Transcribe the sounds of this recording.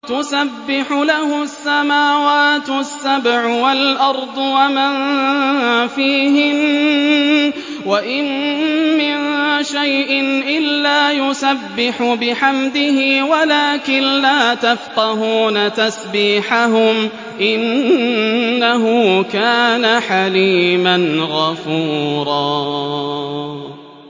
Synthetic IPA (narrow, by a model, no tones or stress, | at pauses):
t̪ʊsabːɪħʊlahʊsːamaːwaːt̪sːabʕwalʔɑɾˤd̪ˤwaman | fiːɦɪm | waʔɪnmɪnʃajʔɪnʔɪlːaːjʊsabːɪħʊbɪħamd̪ɪhɪwalaːkɪnlaːt̪afqɑɦuːnat̪asbiːħaɦʊm | ʔɪnː | aɦʊkaːnaħaliːmanɣɑfuːɾˤɑː